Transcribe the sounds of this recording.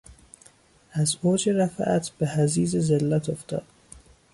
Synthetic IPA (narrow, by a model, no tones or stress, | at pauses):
æzoːd͡ʒeɾæfæʔæt̪ʰb̥ehæziːzezelːæt̪ʰoft̪ɒ̰ːd̪̥